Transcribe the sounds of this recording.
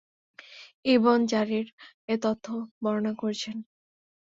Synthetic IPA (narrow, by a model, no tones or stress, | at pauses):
ibond͡ʑaɾiɾ | et̪ot̪ʰːobɔɾonakoɾt͡ɕʰen